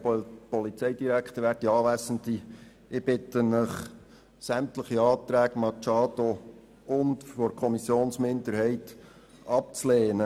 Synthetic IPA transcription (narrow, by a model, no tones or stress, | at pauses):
pɔlit͡sɛɪd̥iɾæktəʋæːɾtiɑːʋæsən̩t̪i | ɪb̥ɪtənəχ | sæmtləχiɑːt̪ɾæːɡmɑt͡ʃɑːdo | ʊntfɔɾkʰɔmisjoːnsmɪndəɾhɛɪt | ʔɑp̚t͡sleːnə